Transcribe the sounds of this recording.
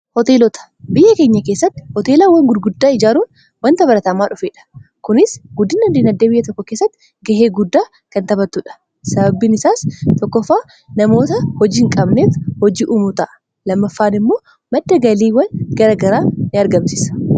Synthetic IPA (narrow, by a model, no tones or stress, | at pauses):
hɔt̪e̞ːlɔt̪ɐ̥ | bɪjːʔːɐke̞ːɲːɐke̞ːsːɐt̪ːɪ̥hɔt̪eːlaːwɐŋɡʊd̪ɡʊd̪ːaːɪd͡ʒaːɾuːn | wɐnt̪ɐbɐɾɐt̪ɐmaːᶑʊfeːᶑɐ̥kʊnɪsɡʊd̪ːɪnɐd̪inɐd̪ːeːbɪjːɐt̪ɔkːɔkeːsːɐt̪ːɪ̥ | ɡɐɦeːɡʊd̪ːaː | kɐnt̪ɐbɐt̪ːuᶑɐ̥ | sɐbɐbinɪsaːst̪ɔkːɔfːaː | nɐmo̞ːt̪ɐhɔd͡ʒiːŋkʼɐbneːfhɔd͡ʒiːʔuːmut̪ɐʔɐ̥ | lɐmːɐfːaːnɪmːo̞ː | mɐd̪ːɐɡɐliːwɐnɡɐɾɐɡɐɾaːnɪɐɾɡɐmsɪ̥sɐ̥